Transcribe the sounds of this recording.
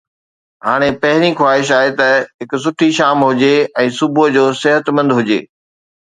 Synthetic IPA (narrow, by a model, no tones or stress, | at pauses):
ɦaːɽ̃epɐɦɪɾixwaːɦɪʃ̬aːɦet̪ɐɦɪkʊs̬ʊʈʰiʃaːmɦʊd͡ʑeɛ̃ːsʊbʱʊd͡ʑoːsɪɦət̪mɐ̃nd̪ɦʊd͡ʑḛː